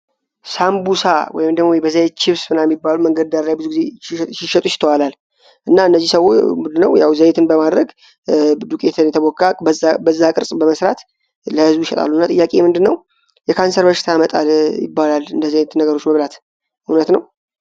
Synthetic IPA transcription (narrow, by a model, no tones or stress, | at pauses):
sambusa̰wɔ̰jɪmd̪əɡmojbəzəjet͡ʃʰːɪβsmɨnajmibːaluməŋɡəd̪d̪aɾlajbɨzuɡize̞sɪʃət̪ʼut͡ʃːɪ̥t̪ʰəwalal | ʔɨnːaɨnːəzːisəwːomnd̪ɨnːə̰wjawzəjet̪ʰɨnbəmad̪ɾəɡ | d̪ukʼet̪ʰənjɛt̪ʰəbɔkʼːabəabəzːakʼɨɾsʼbəməsɾat̪ | ləhɨzbujɪʃɛt̪ʼa̰lːuɨnːat̪ʼɨjːakʼe̞mɨnd̪ɨnːəw | jɛkʰansəɾbəʃɪ̥t̪ʰamət̪ʼa̰ljɪ̰bːalalɨnd̪əzəjet̪nəɡəɾo̞t͡ʃːməβlat̪ | unət̪nəw